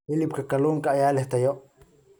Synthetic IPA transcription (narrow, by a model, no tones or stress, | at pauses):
ɪlɪpkɐkɐluːŋkɐːjaːlɛht̪ɐjɔʔ